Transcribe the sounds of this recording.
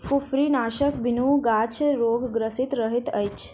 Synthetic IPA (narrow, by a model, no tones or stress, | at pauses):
fufɾinaːʃəkbinuːɡaːt͡ʃʰɾoːɡɡɾəsit̪ɾəɦit̪əjt͡ʃʰ